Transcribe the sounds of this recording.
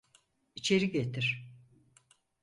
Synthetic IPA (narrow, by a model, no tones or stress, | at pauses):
it͡ʃʰe̞ɾiɟet̪ʰiɾ̥